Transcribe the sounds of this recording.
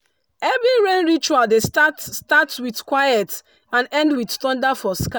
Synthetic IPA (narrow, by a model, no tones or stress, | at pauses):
ɛbĩnɹẽnɹit͡ʃualdestatstatwiθkwajɛt | ãnɛ̃ndwiθθɔ̃ndafɔska